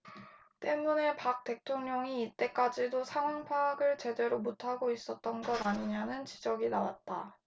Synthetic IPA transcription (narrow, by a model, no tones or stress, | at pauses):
t͈e̞mune̞pak̚t͈e̞tʰoŋɲʌŋiːt͈e̞k͈ad͡ʑidosʰaŋwaŋpʰaɡɯɭt͡ɕe̞de̞ɾomutʰaɡois͈ʌt̚t͈ʌnɡʌdaɲiɲanɯnt͡ɕi̥d͡ʑʌɡinawa̰t̚t͈a